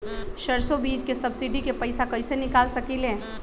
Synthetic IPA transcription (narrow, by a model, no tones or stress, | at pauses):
ʃəɾsobiːd͡ʒkesɐbsiɖikepəɪsakəɪsenɪkaːlsəkilɦẽː